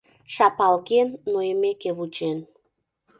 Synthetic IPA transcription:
ʃɑpɑlɣenːojəmekeβut͡ɕen

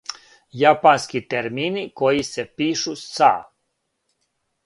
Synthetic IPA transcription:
japanskit̪eɾminikojisepiːʃusa̰

